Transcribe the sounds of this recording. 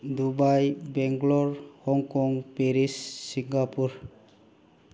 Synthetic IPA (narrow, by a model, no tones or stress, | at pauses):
d̪ubajbɛŋɡlɔɹhɔŋkɔŋpeɾisːiŋɡapuɾ